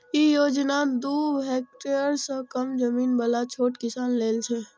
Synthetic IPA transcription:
jejoːd͡ʒnad̪oːɦeːk̚ʈeəɾsəkəmd͡ʒəmiːnbəlat͡ʃʰoːʈkɪsaːnleːlt͡ʃʰeː

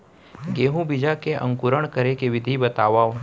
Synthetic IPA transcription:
ɡeːɦũbɪd͡ʒakeʔɐ̰̃ŋkʊɾəɽ̃kəɾekeʋɪd̪ʱibɐt̪aːʋa

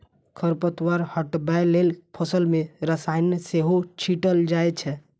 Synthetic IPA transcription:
kʰəɾpət̪waɾhəʈbajlelpʰəsəlmeɾəsajnəseɦot͡ʃʰiʈəld͡ʒajt͡ʃʰɛ

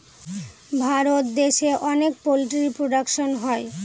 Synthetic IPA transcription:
bʱaɾot̪d̪eʃeʔɔnek̚poliʈɾipɾoɖakʃonɦɔe

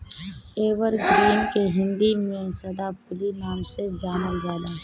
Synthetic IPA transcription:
eːʋəɾɡɾiːmkeɦɪ̃nd̪imẽsɐd̪apʊlinaːmsɪɾfd͡ʒaːnəld͡ʒaːd̪aː

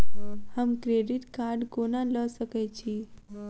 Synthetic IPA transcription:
həmkɾeɖiʈkaɾɖkonaləsəkajt͡ɕiː

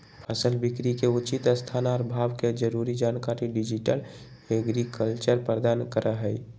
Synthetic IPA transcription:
pʰəsəlbikɾikeut͡ʃit̪əst̪ʰanaɔːɾbʱaːʋked͡ʒəɾuɾid͡ʒaːnkaɾiɖid͡ʒiʈəl | heɡɾikəlt͡ʃəɾpɾəɾəd̪aːnkəɾʔəɦəi

